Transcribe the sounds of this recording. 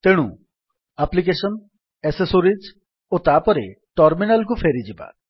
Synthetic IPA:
t̪eɽ̃ṵ | aplik̬esɔn | esesoɾid͡ʒ | ot̪apɔɾe | ʈɔɾminalk̬ufʰeɾid͡ʒiba̰

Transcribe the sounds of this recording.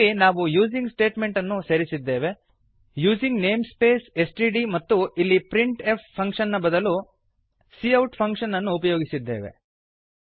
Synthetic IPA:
inaːʋujuːd͡ʒiŋɡsʈe̞ːʈme̞ɳʈɐnːuseɾisid̪ːe̞ːʋe̞ | juːziŋɡne̞ːmspe̞ːse̞sʈiɖimɐt̪ːuilːipɾiɳʈe̞pʰpʰːɐŋkʂɐnːɐbɐd̪ɐlu | siɐwʈpʰɐŋkʂɐnːɐnːuːpɐjoːɡisid̪ːe̞ːʋe̞̰

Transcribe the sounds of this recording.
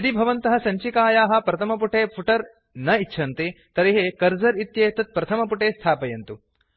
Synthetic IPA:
ɐd̪ibʱɐʋɐnt̪ɐɦɐ̆sɐɲt͡ʃikaːjaːɦɐ̆pɾɐt̪ʰɐmɐp̬uʈʰeːpʰuʈɐɾ | nɐitːt͡ʃʰɐnt̪it̪ɐɾeɦekɐɾzɐɾit̪jeːt̪ɐt̪̚pɾɐt̪ʰɐmɐpuʈeːst̪ʰaːpɐjɐnt̪u

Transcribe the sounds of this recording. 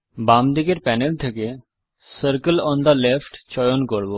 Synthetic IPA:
bamd̪ikeɾpɛnelt̪ʰeke | səɾkəlɔnd̪ɐlefʈt͡ɕɔjonkoɾbo

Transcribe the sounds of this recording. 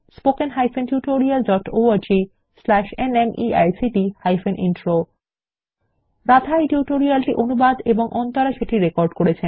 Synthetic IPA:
spokenɦajfenʈjuʈoɾialɖɔʈoaɾd͡ʑi | slɛʃenemʔia̰jsiʈihajfenʔḭnʈɾo | ɾat̪ʰajʈjuʈoɾialʈiʔonubad̪eboŋʔɔnt̪aɾaʃeʈiɾekɔɾɖkoɾet͡ɕʰen

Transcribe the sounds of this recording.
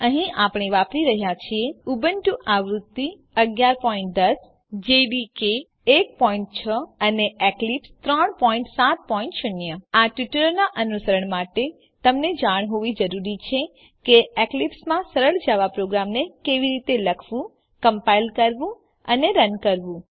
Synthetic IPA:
əɦĩʔapɳeʋapɾiɾəɦjat͡ʃʰieubənʈuʔaʋɾut̪ːi | əɡjaɾpɔĩɳʈ̚d̪əs | d͡ʒeɖikeː | k̚pɔĩɳʈ̚t͡ʃʰəəneeklipst̪ɾəɳpɔĩɳʈsat̪̚pɔĩɳʈʃʊnjəaʈʋiʈələɾnaʔənusəɾəɳmaʈe | t̪əmned͡ʒaɽ̃ɦoʋid͡ʒəɾuɾit͡ʃʰe | keeklipsmãsəɾəɭd͡ʒaʋapɾoɡɾamnekeʋiɾit̪eləkʰʋũ | kəmpailkəɾʋũ | ə̰neɾənkəɾʋũ

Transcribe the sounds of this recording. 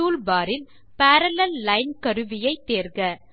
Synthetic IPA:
uːlbaːɾɪl | paːɾɐlɐlːɐɪnkɐɾɯʋɪjɐɪt̪ːeːɾɣɐ

